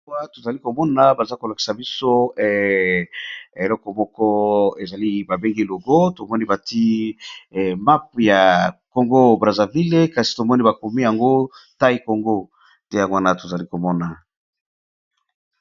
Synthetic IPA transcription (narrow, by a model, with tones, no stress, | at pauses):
wa˦to˨za˨li˦ko˨mɔ˦na˨ba˨za˦ko˨la˨ki̥˨sa˨bi˦so˦˨ | e˨lɔ˦kɔ˨mɔ˦kɔ˦e˨za˨li˦ba˨be˦ŋɡi˦lo˨ɡo˦to˨mɔ˦ni˦ba˨ti˦˨ | ma˦p̚ja˨ko˨ŋɡo˦bʁa˨za˨vi˦le˦ka˨si̥˨to˨mɔ˦ni˦ba˨ko˨mi˦ja˨ŋɡo˦ta˦i˦ko˨ŋɡo˦ | tɛ˦ja˨ŋwa˦na˦to˨za˨li˦ko˨mɔ˦na˨